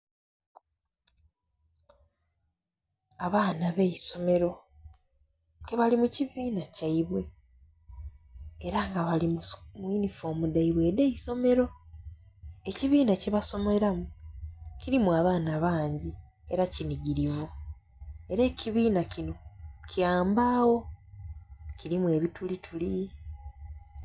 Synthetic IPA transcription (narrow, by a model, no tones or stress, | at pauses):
aβaːnaβejiso̞me̞ɾo̞ | keβalimuciβiːnacaiβwe̞ | ɾaŋɡaβalimmwinifo̞ːmudaiβwe̞ːdeiso̞me̞ɾo̞ | e̞ciβiːnaceβaso̞moɾamuciɾimuaːβaːnaβaːɲɟi | e̞ɾaciniɡiɾivu | e̞ɾe̞ːciβiːnacino̞caːmbaːwo̞ | ciɾimuwe̞ːβitulitʰuli